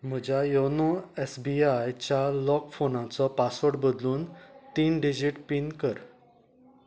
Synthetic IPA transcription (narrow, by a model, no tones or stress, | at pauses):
m̤əd͡ʑajonuesbiajt͡ɕjalɔkfonãt͡sɔpasʋəɽbəd̪luːnt̪iːnɖid͡ʑiʈpinkəɾ